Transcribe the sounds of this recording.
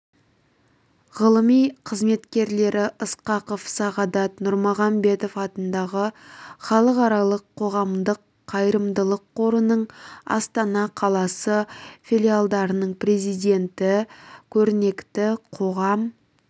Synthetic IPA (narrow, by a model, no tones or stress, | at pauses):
ʁəlˠəmijqʰəzme̞t̪kʲe̞ɾle̞ɾɪʔəsqɑqəfsɑʁɑd̪ɑt̪nʊɾmɑʁɑmbe̞t̪o̞fɑt̪ənd̪ɑʁəχɑlˠəqɑɾɑlˠəqʰːo̞ʁɑmd̪əqʰːɑjɾəmd̪əlˠəqʰːo̞ɾənəɴɑ̰st̪ɑnɑqʰɑlˠɑsəfilʲijalˠd̪ɑɾənəɴpre̞zijd̪e̞nt̪ɪkʲʰɵɾne̞kt̪ɪqʰo̞ʁɑm